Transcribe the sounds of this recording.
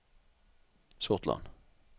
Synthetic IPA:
sɔʁt̪lɑ̰n

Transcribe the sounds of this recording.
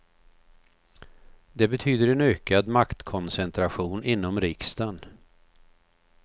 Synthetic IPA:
d̪ɛbɛt̪ʰyːd̪əɾɛnøːkad̪makt̪kʰɔnsɛnt̪ʰɾaɧuːnʔɪnːɔmɾɪkst̪an

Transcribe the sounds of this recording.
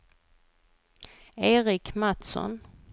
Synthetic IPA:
eːɾɪkmat̪sɔ̰n

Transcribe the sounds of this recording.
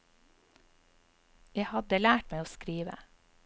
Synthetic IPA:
jæɪhɑd̪əlæːʈmæɪoːskɾiːʋə̰

